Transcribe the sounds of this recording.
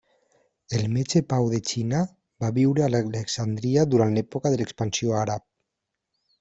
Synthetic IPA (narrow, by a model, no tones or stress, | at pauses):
elmet͡ʃepawðet͡ʃina | baβiwɾealeleksand̪ɾiaðuɾanlɛpokaðelekspansjoaɾap̚